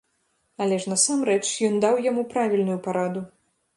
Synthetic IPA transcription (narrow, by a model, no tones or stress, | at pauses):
ɐlʲɛʂnɐsamɾɛt͡ʂjɔnd̪awjamupɾavʲilʲnujupaɾad̪u